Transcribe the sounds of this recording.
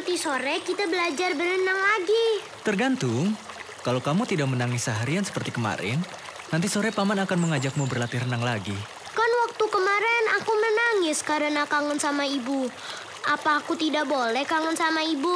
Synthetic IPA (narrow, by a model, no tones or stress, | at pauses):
rt̪isoɾɛkit̪abəlad͡ʒarbərənaŋlaɡi | t̪ərɡant̪ʊŋ | kalokamut̪idak̚mənaŋɪsaɦaɾiansə̥pərt̪ikəma̰ɾʔɛ̰nː | ant̪̬isoɾɛpamanakanməŋad͡ʒak̚mubərlat̪iɾənaŋlaɡi | kanwak̚t̪ukəmaɾɛnakumənaŋɪskaɾənakaŋənsamaibu | ʔapaːkut̪idak̚bolɛhkaŋənsamaibu